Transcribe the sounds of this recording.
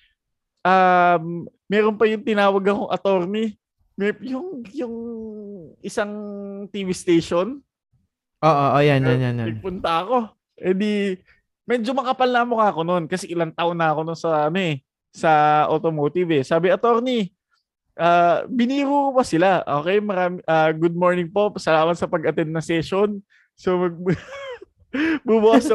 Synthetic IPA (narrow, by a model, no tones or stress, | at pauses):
ʔamː | ɛːɾonpɐjʊŋt̪ɪnaːwɐɡɐkoŋʔɐt̪o̞ɾni | mɛjʊŋjʊŋ | ʔɪsaŋt̪iːvɪst̪ejʃon | ʔoːʔoʔojanjanjanjanɐɡ̪ɡ̚pʊnt̪ɐɐko̞ | ʔɛnd̪i | mɛd͡ʒomɐkɐpɐlnamokaɐko̞no̞nkɐsɛʔɪlɐŋt̪aʔonːɐɐko̞nonsɐɐno̞ʔɛ | sɐʔolt̪omoːt̪ɪvɛsaːbɪɐt̪o̞ɾni | ʔaːbɪniːɾuːkopɐsɪlaʔoːkɛjmɐɾaːmɪʔaːɡud̪̚moɹnɪŋpo̞pɐsɐlaːmɐt̪sɐpɐɡɐt̪ɛnd̪nɐŋsɛʃon | somɐɡ̚ | bubʊʔasɐ